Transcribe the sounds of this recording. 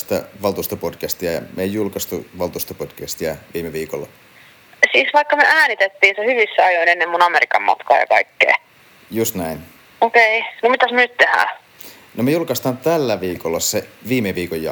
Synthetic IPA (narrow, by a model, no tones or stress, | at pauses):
st̪æ̰ʋɑlt̪uːst̪opodkæst̪iæjɑ̰mejjulkɑst̪uʋɑlt̪ust̪opod̥kæst̪iæʋiːmeʋiːkolːɑ | siːsʋɑikːɑmeʔæːnit̪et̪ːiːnsehyʋisːæɑjoinenːemmunɑmeɾikɑ̰mmɑ̰t̪kɑ̰ːjɑ̰kɑ̰ikːḛː | just̪næin | okeinomit̪æsmønyt̪t̪ehæ̰ː | nomejulkɑst̪ɑnt̪ælːæʋiːkolːɑsːeʋiːmeʋiːkojːɑ̰